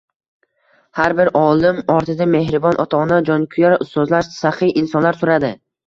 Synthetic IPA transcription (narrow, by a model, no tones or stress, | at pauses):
haɾbɪɾʔɒlɪmɒɾt̪ʰɪd̪ame̞hɾɪbɒnʔɒt̪ʰɒnad͡ʒɒnkʰʊjaɾʊst̪ɒzlaʃsaχɪʔɪnsɒnlaɾsʊɾad̪ɪ